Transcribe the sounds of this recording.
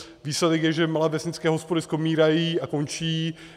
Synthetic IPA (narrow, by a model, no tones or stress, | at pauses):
viːslɛdɛkjɛʒɛmalɛːvɛsɲɪt͡skɛːɦospodɪskomiːɾajiːako̞nt͡ʃiː